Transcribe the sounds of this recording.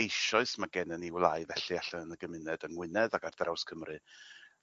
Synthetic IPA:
ejʃɔɨsmaɡɛnəniwlˠaɨvɛɬiaɬaənəɡəmɪnɛdənwɪnɛðaɡardrawskʰəmrɨ

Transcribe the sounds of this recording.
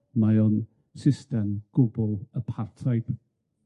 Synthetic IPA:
majɔn | sɪstɛmɡ̥ʊbəlˠəpʰartʰajp

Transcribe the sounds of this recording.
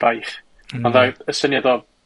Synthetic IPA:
b̥ajχ | ɔnðaəsənjadɔ

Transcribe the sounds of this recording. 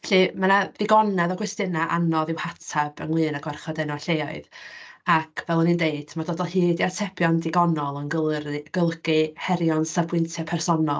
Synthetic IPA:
ɬɨmanaðɪɡɔnɛðɔɡwɛstɨnaʔanɔðɪwhatʰab̥ə̰nwˠɨːnaɡwarχɔdɛnɔɬejɔɨðakʰvɛlˠɔnindeɨd̥madɔdɔlˠhɨːdiatʰɛbjɔndɪɡɔnɔlˠənɡəlˠrɡ̥əlˠɡɨhɛɾjɔnsəbwɨntʰɛpʰɛrsɔnɔlˠ

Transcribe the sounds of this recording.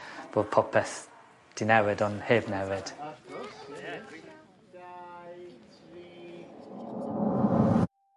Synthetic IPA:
b̥oːd̥̚pʰɔpʰɛθ | d̥inɛwɪdɔnheːbnɛwɪd̥

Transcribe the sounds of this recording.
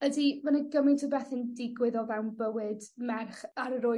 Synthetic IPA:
ədimanəɡəmɪntʰəbɛθɪndɪɡwɪðɔvɛwnbəwɨdmɛrχaɾəɾʊ

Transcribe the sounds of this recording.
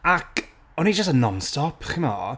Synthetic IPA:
akʰ | ɔnid͡ʒəstənːɔnstɔpʰχɪmɔ̰

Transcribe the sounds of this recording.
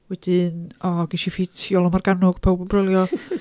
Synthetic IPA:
wɛd̥ɨnɔɡiʃifitʰjɔlˠɔmarɡanʊɡ̥pʰowbmbrɛlˠjɔ

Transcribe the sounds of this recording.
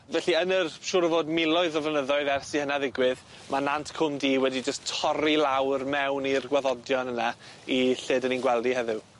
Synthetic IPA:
vɛɬiənərʃʊːɾəvoːdmɪlˠɔɨðɔvənəðɔɨðɛrsihənaðɪɡwɪð | manantʰkʰʊmdiːwɛdid͡ʒəstʰɔɾilˠawrmɛwnirɡwaðɔdjɔnəna | iɬeːdəninɡwɛlˠdiɦɛðɪw

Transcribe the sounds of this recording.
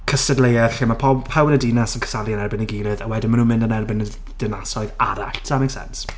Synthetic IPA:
kʰəstɛdlejɛɬimapʰɔbpʰawnədinɛsənkʰə̥saliənɛrbɪniɡiːlˠɨðəwɛdɪnmanuːnmɪndənɛrbɨnə | d̥ɪnasɔɨðaɾaɬtʰsamɪŋsɛ̰ns

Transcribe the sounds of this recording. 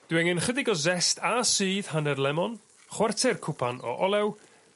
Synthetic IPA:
d̥wɛŋɪnχədɪɡɔzɛstʰasɨːð̥hanɛrlˠɛmɔn | χwɛrtʰɛrkʰʊpʰanɔ̰ʔɔlɛw

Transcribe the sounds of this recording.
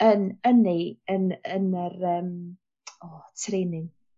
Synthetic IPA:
ənəniənənərəːm | ɔːtʰreːnɪ

